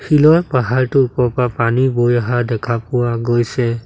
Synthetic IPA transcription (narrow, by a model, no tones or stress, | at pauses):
xilɔjpaɦaɹtʊupɔpapanibojaɦadɛkʰapʊwaɡojsɛ